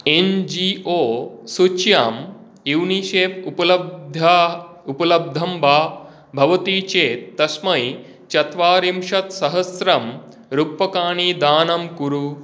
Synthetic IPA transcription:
end͡ʒiʔoːsut͡ʃjaːm | iwniʃeːppɐlɐd̪ʱa | upɐlɐb̚d̪ʱɐmbʱaː | bʱɐʋɐt̪iːt͡ʃeːt̪ːɐsmɐj | t͡ʃɐt̪ʋaːɾimʂɐt̪sɐɦɐsɾɐm | ɾupːɐkaːɳiːd̪aːnɐmkuɾu

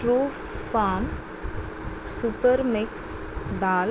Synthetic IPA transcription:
ʈɾuː | faːn | supəɾmɪks | d̪aːl

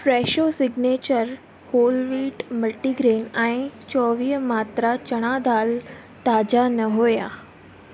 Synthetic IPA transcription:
fɾeːʃosɪɡneːt͡ɕəɾ | hoːlʋiːʈməʈːiɡɾeːnãĩt͡ɕɔːʋiːmaːt̪ɾat͡ɕɐɽ̃ad̪aːl | t̪aːd͡ʑanɐɦoːjaː

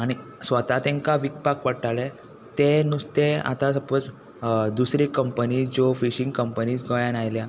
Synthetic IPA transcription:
aɽ̃isʋət̪at̪ẽŋkaʋik̚pakʋəʈaɭe | t̪enust̪ẽa̰t̪ãsəpət͡s | d̪usɾikəmpənid͡zofiɕĩŋɡkəmpəniːt͡sɡəjãnajlja

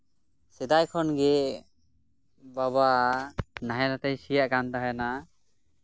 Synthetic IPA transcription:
sɛd̪ajkʰɔnɡɛ | baβa | naɦɛnat̪ɛjsijaʔkant̪aɦɛna

